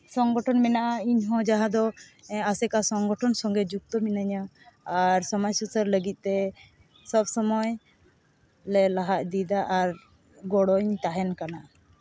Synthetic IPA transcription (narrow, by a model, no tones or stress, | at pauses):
sɔŋɡɔʈʰɔnmɛnaʔaiɲɦɔ̃d͡ʒaɦãd̪ɔasɛkasɔŋɡɔʈʰɔnsɔŋɡɛd͡ʒuk̚t̪ɔminaɲa | aɾsɔmɔjsusəɾləɡit̪̚ˀt̪ɛ | sɔbsɔmɔj | lɛlaɦaʔ̪̚d̪id̪aʔaɾ | ɡɔɽɔɲt̪aɦɛnkanaʔ